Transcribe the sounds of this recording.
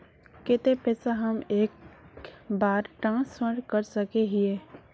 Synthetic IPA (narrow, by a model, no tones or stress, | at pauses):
kɪt̪epɛːsaɦɐmeːk | baːɾʈãːsəɽkəɾsɐkeɦieː